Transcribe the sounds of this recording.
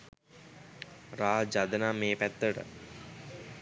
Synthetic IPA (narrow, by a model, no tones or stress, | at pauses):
ɾaːd͡ʒad̪ənaːmeːpæt̪ːəʈə̰